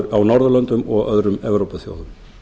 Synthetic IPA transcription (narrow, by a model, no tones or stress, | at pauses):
ɾawnɔɾðʏlœnt̪ʏmɔɣœðɾʏmɛvɾowpaθjo̰ːwðʏm